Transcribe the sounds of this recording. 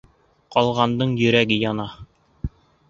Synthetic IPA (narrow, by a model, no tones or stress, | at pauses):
qɒlˠʁɑnd̪ɤɴjɵ̆ɾæɡɘjɒnɑ